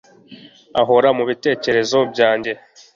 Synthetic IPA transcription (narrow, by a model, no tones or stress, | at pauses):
aɦo̞ɾamuβite̞ːce̞ɾe̞zo̞bjaːɲɟe̞